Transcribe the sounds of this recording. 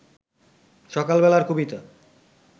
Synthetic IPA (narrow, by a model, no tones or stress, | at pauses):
ʃɔkalbɛlaɾkʰubit̪a